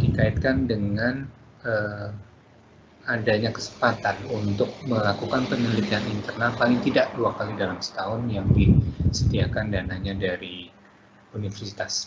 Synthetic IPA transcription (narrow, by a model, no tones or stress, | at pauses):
d̥ikaɪt̪̚kandəŋan | ə | adaɲakə̥sə̥mpat̪anunt̪ʊk̚məlakukanpənəlit̪ianint̪ərnapaliŋt̪idaʔduakalidalamsə̥t̪aɦʊnjaŋdisət̪iakandanaɲadaɾi | unifərsi̥t̪as